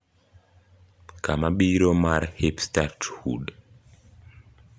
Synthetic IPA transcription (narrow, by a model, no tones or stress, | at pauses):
kamaɓiɾomaɾhipstathṵɗ